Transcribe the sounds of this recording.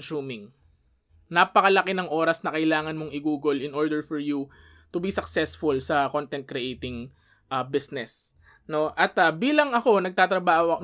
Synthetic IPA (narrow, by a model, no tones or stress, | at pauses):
suːmɪŋ | napɐkɐlɐkɪnɐŋʔo̞ːɾɐsnɐkɐɪlaːŋɐnmoŋɪɡuːɡolɪnʔoɹd̪ɛɹfɔɹju | t̪ʊbisɐksɛsfʊlsɐkont̪ɛnt̪̚kɾɛʔejt̪ɪŋ | ʔɐbɪsnɛs | no̞ʔɐt̪ɐbiːlɐŋɐko̞nɐɡ̚t̪aːt̪ɾɐbaːhoɐ